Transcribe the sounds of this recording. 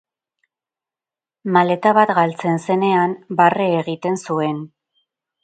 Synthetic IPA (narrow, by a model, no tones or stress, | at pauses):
male̞t̪aβat̪ɣalt͡se̞nse̞ne̞ambareːɣit̪e̞nsue̞n